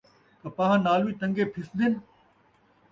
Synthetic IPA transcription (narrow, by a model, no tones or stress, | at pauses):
k̪ɐpãːɦãnaːluiːt̪ɐ̃ŋɡeːpʰɪsnd̪ɪn